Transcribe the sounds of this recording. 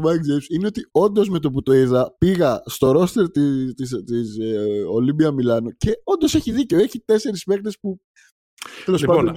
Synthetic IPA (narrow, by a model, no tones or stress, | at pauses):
mɐkd͡zesineo̞t̪io̞nd̪o̞zme̞t̪o̞p̬ut̪oiðɐpiɣɐst̪o̞ɾo̞st̪e̞ɾt̪it̪ist̪iso̞libiɐmilɐnoce̞o̞nd̪o̞se̞çiðiceoeçit̪e̞se̞ɾispe̞xt̪e̞spu | t̪e̞lo̞spɐd̪on